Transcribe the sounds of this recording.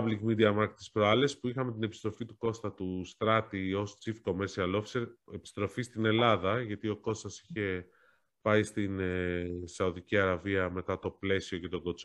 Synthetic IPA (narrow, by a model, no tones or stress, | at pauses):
ɐbliŋɡmid̪iɐmɐɾkt̪i̥spɾoɐle̞spuixɐme̞t̪ine̞pist̪ɾo̞fit̪uko̞st̪ɐt̪ust̪ɾɐt̪io̞st͡sifko̞meɾsiɐlofseɾe̞pi̥st̪ɾo̞fist̪ine̞lɐðɐʝɐt̪io̞ko̞st̪ɐsi̥çe̞ | pɐist̪in | sɐuðiciɐɾɐviɐme̞t̪ɐt̪o̞ple̞sio̞ce̞t̪o̞ɡo̞t͡s